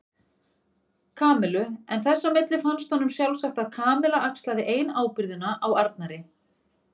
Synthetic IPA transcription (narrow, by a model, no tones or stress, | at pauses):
kʰaːmɛlʏɛnθɛsːamɪt̪lɪfanst̪hɔnːʏmsjalvsaxt̪aðkʰaːmɪlaʔakst̪laðɪʔeːjnaːwpɪɾðʏnaʔawaɾt̪̚naɾɪ